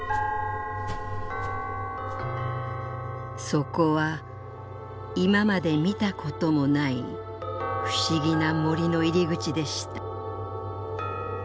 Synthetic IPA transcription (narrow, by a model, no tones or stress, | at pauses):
so̞ko̞βa | imamad̪e̞mʲit̪akʰo̞t̪o̞mo̞nai | ɸɯ̟̥ɕiɡʲinamo̞ɾʲino̞iɾʲiɡɯ̟t͡ɕid̪e̞ɕi̥t̪ḁ